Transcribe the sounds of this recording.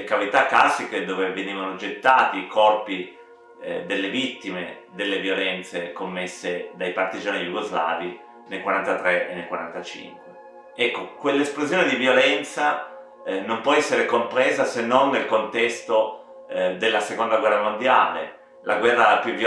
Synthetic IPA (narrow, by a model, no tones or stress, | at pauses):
kavit̪akːlasːiked̪oːveveniːvanod͡ʒet̪ːaːt̪iːkɔrpi | d̪elːevit̪ːime | d̪elːevjolɛnt̪sekomːesːed̪ajpart̪id͡ʒaːnijuɡozla̰ːvi | nelkwaɾant̪at̪ɾeʔenːelkwaɾant̪at͡ʃḭŋkwe | ɛkːokwelːesplozjoːned̪ivjolɛnt̪sa | nompwɔɛsːeɾekompɾeːzasenːonːelkont̪ɛst̪o | d̪elːasekond̪aɡwɛrːamond̪jaːlḛ | lʔa̰ɡwɛrːapuvj